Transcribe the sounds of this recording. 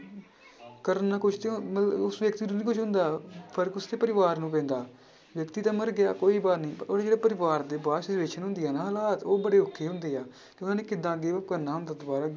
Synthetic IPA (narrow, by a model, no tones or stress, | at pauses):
kəɾənaːkʊt͡ʃʰt̪emət̪lʊsʋjəkt̪iːnũːnĩːkʊt͡ʃʰɦʊ̃nd̪aːpʰəɾəkʊst̪eːpəɾɪʋaːɾnũːp̬ɛ̃ːnd̪aː | ʋjəkt̪iːt̪aːməɾɡɪja̰ːkoːiːbaːɾnĩːpəɾoːaːd͡ʒeːɽaːpəɾɪʋaːɾd̪eːbaːsɪsʋeːʃənɦʊ̃nd̪ijaːnãːɦəlaːt̪oːbəɽeːʊkʰːeːɦʊ̃nd̪eːaː | t̪eːʊnãːneːkɪd̪ãːəɡeːkəɾnaːɦʊ̃nd̪aːt̪obaːɾaː